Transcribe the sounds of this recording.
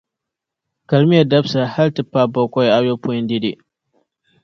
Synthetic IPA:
ka˨lmi˦ja˨da˦bsa˨ha˦ltɨ˦pːa˦˨bɔ˦kʷɔ˦ja˨jo˦pʊ˦jɪ˦ndi˦di˨

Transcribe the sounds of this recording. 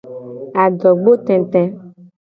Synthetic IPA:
a˨ɖɔ˨ɡ͡bo˦t̪ɛ̃˨t̪ɛ̃˦

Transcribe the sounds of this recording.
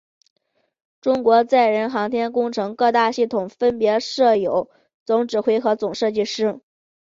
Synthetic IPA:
ʈ͡ʂʊ˥ŋkwɔ˧˥t͡sa˥˩ɪɻə˧˥nxɑ˧˥ŋt̪ʰjɛ˥nkʊ˥ŋʈ͡ʂʰɤ˧˥ŋkɤ˥˧t̪a˥˧ɕi˥˩t̪ʰʊ˨˩ŋfə˥npjɛ˧˥ʂɤ˥˩jo˨˩˦ʊ | t͡sʊ˧˥ŋʈ͡ʂɻ̩˨˩xwe˧˥ɪxɤ˧˥t͡sʊ˨˩ŋʂɤ˥˧t͡ɕi˥˧ʂɻ̩˥˩

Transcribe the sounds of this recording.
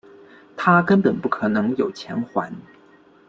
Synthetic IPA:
t̪ʰa˥kə˥npə˨˩npu˥˩kʰɤ˨˩nɤ˧˥ŋjo˨˩ʊt͡ɕʰjɛ˧˥nxwa˧˥n

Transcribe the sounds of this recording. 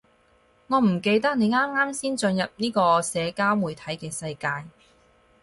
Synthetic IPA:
ŋɔː˨˧m̩˨˩ke˧jt̪ɐ˥k̚ne˨˧jŋaː˥mŋaː˥msiː˥nt͡ʃɵ˧njɐ˨p̚niː˥kɔː˧sɛː˨˧kaː˥wmuː˨˩jt̪ʰɐ˨˥jkɛː˧sɐ˧jkaː˧j

